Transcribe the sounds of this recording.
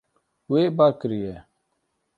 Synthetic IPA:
weːbaːkɾijeː

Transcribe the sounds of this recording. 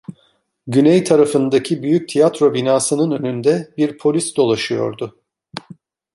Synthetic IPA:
ɟynɛjt̪ʰaɾafɯnd̪acʰibyjyc̚t̪ʰijat̪ɾo̞binaːsɯnɯnø̞nynd̪ɛbiɾpʰo̞lʲisd̪o̞lˠaʃɯjo̞̰ɾd̪ʊ

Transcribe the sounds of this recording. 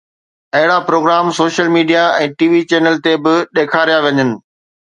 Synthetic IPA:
ɐɦɪɽapɾoːɡɾaːmsoːʃəlmiːɖijaɛ̃ːʈiːʋit͡ɕeːnəlt̪ebɪɗeːkʰaːɾijaʋɐɲənɪ̆

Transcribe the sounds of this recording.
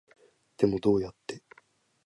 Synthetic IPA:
d̪̥e̞mo̞d̪o̞ːjat̪ːe̞

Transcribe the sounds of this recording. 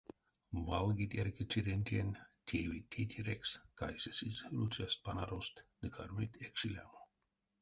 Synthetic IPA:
valˠɡit̪ʲeɾkit͡ʃiɾʲenʲt̪ʰʲenʲt̪ʲʰivʲit̪ʲʰːit̪ʲʰiɾʲekskajsesisɾut͡ʃaspanaɾost̪d̪̥ɨkʰa̰ɾmit̪ʲekʃilʲa̰mo

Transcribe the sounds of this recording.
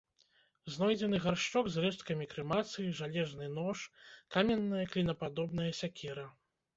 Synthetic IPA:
znɔjd͡zʲɛn̪ɨɣarʂt͡ʂɔɡzrɛʂt̪̚kɐmʲikɾɨmat̪sɨjiʐalʲɛʐnɨnɔʂkamʲɛnːɐjɐklʲinɐpad̪ɔbn̪ɐjɐsʲakʲʰɛɾɐ

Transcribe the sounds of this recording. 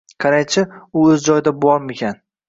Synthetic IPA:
qʰɑɾajt͡ʃʰɪʊɵzd͡ʒɒjɪd̪abɒɾmekʲʰan

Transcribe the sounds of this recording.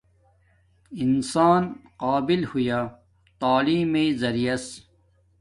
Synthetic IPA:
insaːnqaːbilhujaː | t̪aːliːmezɐɾijɐs

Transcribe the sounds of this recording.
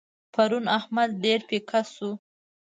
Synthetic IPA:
pʰaɾunahmad̪̚ɖeɾpekʰasu

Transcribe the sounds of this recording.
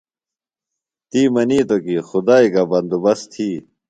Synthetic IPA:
t̪iːmɐniːt̪okixud̪aːikabɐnd̪ubɐst̪ʰiː

